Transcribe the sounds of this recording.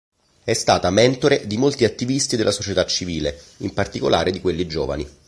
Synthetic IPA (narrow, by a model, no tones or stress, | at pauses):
ɛst̪aːt̪amɛnt̪oɾed̪imolt̪iat̪ːivist̪id̪elʔasot͡ʃet̪at͡ʃːiviːleimpart̪ikolaːɾed̪ikwelːid͡ʒo̰ːva̰ni